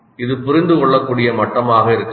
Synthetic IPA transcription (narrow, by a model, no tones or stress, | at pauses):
ɪðɯpʊɾɪnd̪ɯkɔɭːɐkːuːɽɪjɐmɐʈːɐmaːɣɐɪɾɯkː